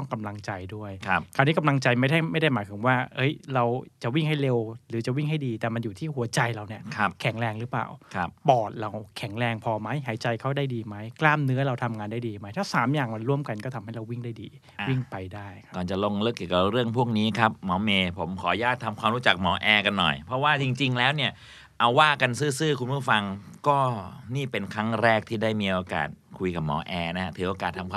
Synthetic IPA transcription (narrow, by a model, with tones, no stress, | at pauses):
ɔ˥˩ŋka˧mla˧ŋt͡ɕa˧jdu˥˩əjkʰa˦˥pkʰaː˨˧˩niː˦˥ka˧mla˧ŋt͡ɕa˧jma˥˩jda˥˩jma˥˩jda˥˩jmaː˨˦jt̪ʰɯ˩˦ŋwaː˥˩hɤ˦˥jɾa˧wt͡ɕa˨˩wi˥˩ŋɦa˥˩jle˧wɾɯː˩˦t͡ɕa˨˩wi˥˩ŋɦa˥˩jdiː˧t̪ɛː˨˩ma˧njuː˨˩t̪ʰiː˥˩hu˨˩˦ɐt͡ɕa˧jɾa˧wni˥˩ɐkʰa˦˥p̚kʰɛ˩˦ŋɾɛː˧ŋɾɯː˦˥pla̰ː˨˩wkʰppɔː˨˩t̪̚ɾa˧wkʰɛ˩˦ŋɾɛː˧ŋpʰɔː˧ma˦˥jɦaː˩˦jt͡ɕa˧jkʰa˦˥˩wdaː˥˩jdiː˧ma˦˥jklaː˥˩mnɯ˦˥ɐɾa˧wt̪ʰa˧mŋaː˧nda˥˩jdiː˧ma˦˥jt̪ʰɛː˦˥˩saː˩˦mjaː˨˩ŋma˧nɾu˥˩əmka˧nkɔː˥˩t̪ʰa˧mha˥˩jɾa˧wi˥˩ŋdaː˥˩jdḭː˧ | a˧wi˥˩ŋpa˧jdaː˥˩jkʰḁ˦kɔː˨˩nt͡ɕa˨˩lo˧˩ŋlɤː˦˥˩kːi˨˩ka˨˩ɾɯ˥˩əŋpʰu˥˩ək̚niː˦˥kʰɾa˦˥p̚mɔː˩˦meː˧pʰo˩˦mkʰɔː˩˦jaː˥˩t̪ʰːa˧mkʰwaː˧mɾuː˦˥t͡ɕa˨˩k̚mɔː˩˦ʔɛː˧ka˧nːɔ̰˨˩jpʰɾɔ˦˥waː˥˩t͡ɕi˧ŋt͡ɕi˧ŋlɛː˦˥wni˥˩ə | ʔa˧wwaː˥˩ka˧nsɯː˥˩sɯː˥˩kʰu˧npʰuː˥˩fa˧ŋkɔː˥˩niː˥˩pe˧nkʰa˦˥ŋɾɛː˥˩k̚t̪ʰiː˥˩daː˥˩jmiː˧ʔoː˧ka̰ː˨˩t̪̚kʰu˧jka˨˩p̚mɔ̰ː˩˦ʔɛː˧na˦˥ha˦˥t̪ʰɯː˩˦ʔoː˧kaː˨˩t̪ʰːa˧mkʰa˧